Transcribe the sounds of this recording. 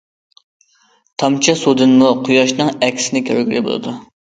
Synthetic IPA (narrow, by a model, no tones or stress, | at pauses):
t̪ʰɑmt͡ʃʰɛsud̪ɨnmuqʰʊjɑʃnɨŋɛkʲʰsɪnɪkʲʰøɾɡʲyɾɪbo̰lˠɨ̰d̪u